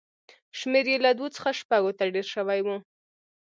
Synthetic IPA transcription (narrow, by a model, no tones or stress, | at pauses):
ʃmeɾjelad̪wot͡sə̥xaʃpaɡot̪aɖeɾʃəwajwu